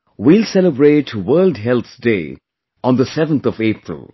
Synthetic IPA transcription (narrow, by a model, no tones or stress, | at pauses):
wiːlsɛləbɾeːʈʰwəːldɦɛlt̪sdḛː | ɔ̃nd̪əsɛvə̃nt̪ʰɔveːpɹə̰lˠ